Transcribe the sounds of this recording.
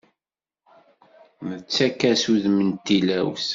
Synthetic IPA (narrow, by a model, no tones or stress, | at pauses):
mət͡sːækːæsuðmənt̪ːilæws